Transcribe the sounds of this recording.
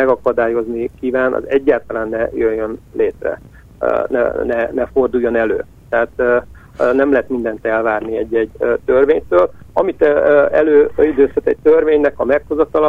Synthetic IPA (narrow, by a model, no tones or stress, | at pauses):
ɛɡɒkɒd̪aːjo̞znikiːvaːnʔɒ̰zɛɟːaːlt̪ɒlaːnːɛjøjːønleːt̪rɛ̰ | nɛ̰nɛnɛfo̞rd̪uːjːo̞nɛlø̰ː | t̪ɛɦaːt̪ | nɛmlɛɦɛt̪mind̪ɛn̪t̪ɛlvaːrniɛɟːɛɟt̪ørveːɲt̪øːlɒmit̪ːɛløːid̪øːshɛt̪ɛc̚t̪ørveːɲnɛkɒmɛkhozɒt̪ɒlɒ